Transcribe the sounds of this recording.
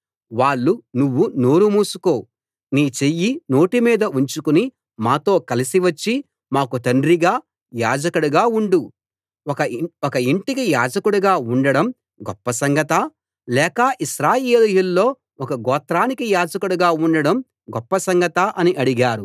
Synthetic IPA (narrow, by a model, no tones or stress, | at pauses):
ʋaːɭːunuʋːuno̞ːɾumuːsuko̞ː | niːt͡ʃe̞jːino̞ːʈimiːd̪ɐuɲt͡ʃukuni | maːt̪o̞ːkɐlisiʋɐt͡ʃːi | maːkut̪ɐndɾiɡaː | jaːd͡ʒɐkuɽuɡaːuɳɖu | ɔkɐɔkɐiɳʈikijaːd͡ʒɐkuɽuɡaːuɳɖɐɽɐm | ɡɔpːɐsɐŋɡɐt̪ɐ | lɛːkɐʔiʃɾaːjeːljulːo̞ː | ɔkɐɡɔːt̪ɾaːnikijaːd͡ʒɐkuɽuɡaːuɳɖɐɽɐm | ɡɔpːɐsɐŋɡɐt̪ɐʔɐniʔɐɽiɡaːɾu